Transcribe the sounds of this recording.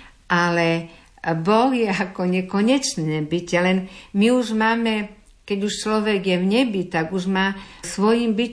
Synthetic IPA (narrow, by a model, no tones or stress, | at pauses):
ʔalɛ | bɔɣjɛakɔɲɛkɔɲɛt͡ʃnɛːbicɛlɛnmiuʒmaːmɛ | kɛɟuʃt͡ʃlɔʋɛɡjɛwɲɛbit̪aɡuʒmaːsʋɔjiːmbi